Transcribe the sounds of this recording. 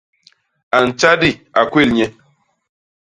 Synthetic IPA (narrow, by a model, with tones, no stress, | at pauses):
a˨n̩˨t͡ʃa˦di˦˨a˨kwe˦˨lɲe˦